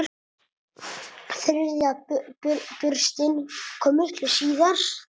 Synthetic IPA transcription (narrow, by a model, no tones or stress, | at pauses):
θɪɾɪɾðɪa | pʏɾst̪ɪnkʰɔːmɪht̪lʏsiːðaɾ̥